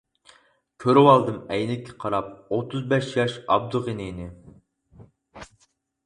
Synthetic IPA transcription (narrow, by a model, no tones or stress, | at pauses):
kʲʰøɾwɑlˠd̪ɨmɛjnɪkʲʰːɛ̥qʰɑɾɑp̚ot̪ʰːɨzbɛʃjɑʃɑ̰b̚d̪uʁeninɪ